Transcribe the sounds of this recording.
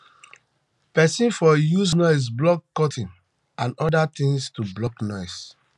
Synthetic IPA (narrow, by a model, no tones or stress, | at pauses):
pɛsĩnfɔjusnɔɪs̬blɔkːɔtĩn | ʔãnɔdat̪ĩŋstublɔknɔɪs